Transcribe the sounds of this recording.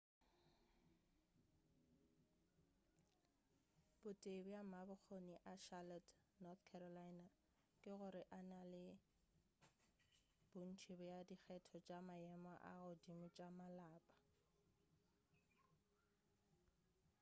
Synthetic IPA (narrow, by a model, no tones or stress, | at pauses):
b̥ʊtʼebʊjamabʊk͡xʰoniʔaʃalɔtʰ | nɔθkʰɛɾɔlajna | kʼɪɣʊɾɪʔanalɪ | b̥ʊn̩t͡ʃʰibʊjadik͡xʰɛtʰɔt͡ʃʼamaɛmaʔa̰ɣʊdimʊt͡ʃʼamalaːpʼḁ